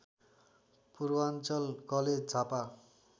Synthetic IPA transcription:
purwant͡sʌlkʌled͡zt͡sʰapa

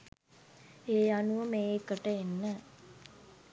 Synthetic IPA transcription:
eːjanuʋəmeːikəʈəenːə

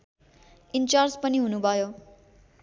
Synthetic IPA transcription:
int͡ʃard͡ʑpʌniɦunubʱʌjo

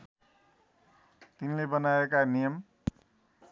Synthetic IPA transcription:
t̪inlebʌnaekanijʌm

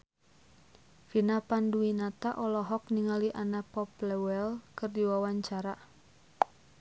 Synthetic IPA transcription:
finapanduinat̪aʔɔlɔɦɔk̚niŋaliʔanapɔplɛwɛlkɨrdiwawaɲt͡ʃaɾa

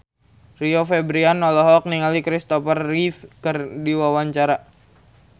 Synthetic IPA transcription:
riofɛbɾianːɔlɔɦɔk̚niŋalikɾist̪ɔfərːiθkərdiwawaɲt͡ʃaɾa

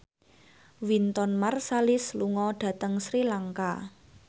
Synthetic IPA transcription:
wint̪ɔnmarsalɪsluŋɔɖ̥ä̤t̪əŋsɾilaŋka

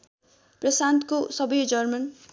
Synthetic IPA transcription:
prʌsant̪kosʌbʌjd͡zʌrmʌn

